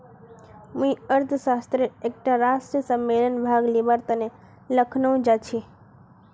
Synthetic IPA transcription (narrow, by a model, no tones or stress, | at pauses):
mũĩəɾt̪ʰəʃast̪ɾeek̚ʈaɾasʈɾisəmːelənbʱaɡlebaɾt̪əne | ləkʰnəw̃d͡ʒat͡ʃʰi